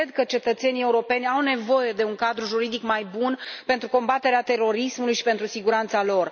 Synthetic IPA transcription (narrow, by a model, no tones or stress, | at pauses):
ed̪kət͡ʃe̞t̪ət̪se̞nie̞uɾo̞pe̞nʲawne̞vo̞je̞d̪e̞uŋkad̪ɾuʒuɾid̪ikmajbunpe̞nt̪ɾuko̞mbat̪e̞ɾeat̪e̞ɾo̞ɾismulujʃi̥pe̞nt̪ɾusiɡuɾant̪salo̞r